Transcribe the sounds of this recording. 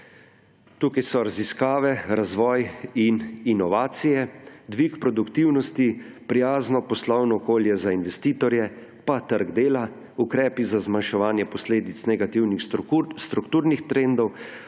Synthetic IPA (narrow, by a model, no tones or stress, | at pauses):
t̪uːkajsɔɾaziskaːʋɛɾazʋɔːjininɔʋaːt̪sijɛd̪ʋikpɾɔd̪ukt̪iwnɔst̪i | pɾijaːznɔpɔslɔwnɔːkoːljɛzainʋɛst̪iːt̪ɔɾjɛ | pat̪əɾɡd̪eːla | ukɾɛːpizazmanʃɛʋaːnjɛpɔsleːd̪it̪snɛɡat̪iwnixst̪ɾukt̪uːɾnixt̪ɾend̪ɔw